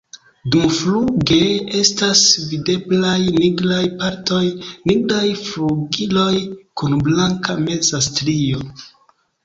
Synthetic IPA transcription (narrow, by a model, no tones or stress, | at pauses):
dumfluɡe̞e̞stasvide̞blajniɡɾajpaɾto̞jniɡɾajfluɡilo̞jkunblaŋkame̞zastɾio